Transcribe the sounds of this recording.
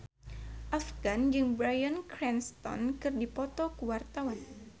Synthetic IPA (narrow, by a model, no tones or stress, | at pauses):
ʔafɡand͡ʒɨŋbɾajankɾɛnst̪ɔ̰nkɨrdipɔt̪ɔkuwart̪awan